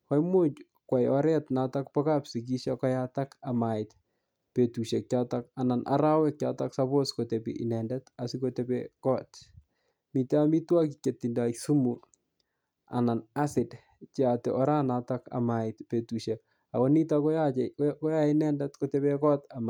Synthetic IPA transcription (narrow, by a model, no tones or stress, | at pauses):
kɔjmwot͡ʃ | kwajɔɾɛtnatakpɔkapsik̬iʃakɔjatakamaɪt | petuʃek̚t͡ʃatakananʔa̰ɾawɛk̚t͡ʃataksaboskotepḭʔḭnɛndɛtasikotepekɔt | miteamitwakikjetːindaksumu | a̰nanasɪd | t͡ʃatɛ̰ʔɔɾanataka̰maɪtpetuʃek | akɔnitakɔjakɔjaɪnɛndɛtkotepekɔt̪ama